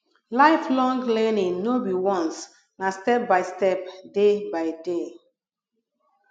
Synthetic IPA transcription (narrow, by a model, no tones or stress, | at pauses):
laɪflɔ̃ŋɡlɛnĩŋnobiwɔ̃ns | nastɛp̚baɪstɛpdebaɪde